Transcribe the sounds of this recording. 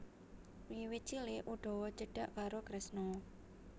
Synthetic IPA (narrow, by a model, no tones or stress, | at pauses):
wiwit̪̚t͡ʃilɪʔuɖ̥ɔ̤wɔd͡ʒəɖ̥a̤ʔkaɾokɾɛsnɔ